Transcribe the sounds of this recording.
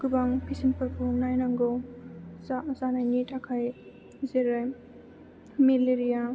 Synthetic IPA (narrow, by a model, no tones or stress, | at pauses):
ɡ̥ubaŋpʰisimpɯɾpʰunajnaŋɡɔ | zazanajnitakʰaj | zeɾaj | mileɾija